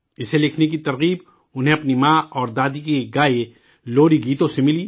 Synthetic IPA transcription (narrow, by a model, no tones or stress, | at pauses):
ɪselɪkʰnek̬it̪ɐɾɣiːb | ʊnɦẽɐpnimaːɔːɾd̪aːd̪ikiɡaːe | loːɾiɡiːt̪õsemɪliː